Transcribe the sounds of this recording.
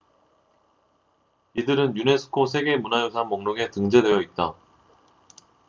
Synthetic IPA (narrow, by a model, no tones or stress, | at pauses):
idɯɾɯnjune̞sʰɯ̥kʰosʰe̞ɡe̞munajosʰanmoŋnoɡe̞tɯŋd͡ʑe̞dwe̞jʌit̚t͈a